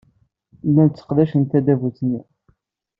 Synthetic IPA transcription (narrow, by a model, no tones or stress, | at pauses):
lːænt͡sːə̥qðæʃənt̪æd̪ævuθni